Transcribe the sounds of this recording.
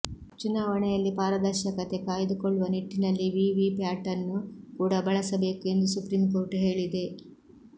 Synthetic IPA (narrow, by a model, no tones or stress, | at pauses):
t͡ʃunaːʋɐɳɛjɐlːipaːɾɐd̪ɐɾʃɐkɐt̪e̞kaːjɐd̪ukoɭːuʋɐniʈːinɐlːiʋiʋipaːʈɐnukuːɽɐbɐɭɐsɐbe̞ːkue̞nd̪usupɾimko̞ːɾʈɦe̞ːɭid̪e̞